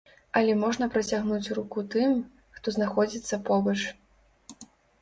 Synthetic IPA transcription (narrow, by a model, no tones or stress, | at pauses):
ɐlʲɛmɔʐnɐpɾɐt͡sʲaɣnut͡sʲrukut̪ɨm | xt̪ɔznaxɔd͡zʲit̪sːɐpɔbɐt͡ʂ